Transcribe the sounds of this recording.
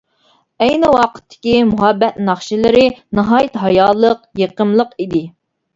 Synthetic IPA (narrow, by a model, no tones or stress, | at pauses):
ɛjnɪwɑqʰə̥t̪ʰːɪ̥kʲimuɦɑbːɛt̪nɑχʃilɪɾɪnɑɦɑːjɪt̪ɦɑjɑːlˠəqjeqəmlˠəqid̪ɪ